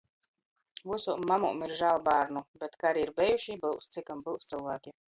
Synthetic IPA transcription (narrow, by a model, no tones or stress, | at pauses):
vusumamṵmiɾʒaːlˠbaːɾnubʲet̪kaaɾiiɾbʲɛjuʃibɨwst̪sikambɨwst̪sɨlˠvaːkʲi